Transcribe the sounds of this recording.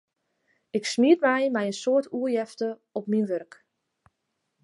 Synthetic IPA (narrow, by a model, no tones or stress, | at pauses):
ɪksmiətmɛjmɛjənsoətʰuəjɛftəɔp̚minʋørk